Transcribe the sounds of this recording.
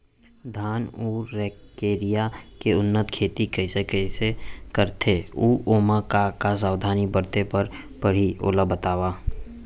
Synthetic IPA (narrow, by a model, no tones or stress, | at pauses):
d̪ʱaːnuːɾːɛːkːeːɾijakeʊnːət̪kʰeːt̪ikəɪsekəsekəɾt̪ʰeuːʔoːmakakas̬aːwd̪ʱaːnibəɾt̪epəɾ | pəɽ̤iʔo̰ːləbət̪aːwaː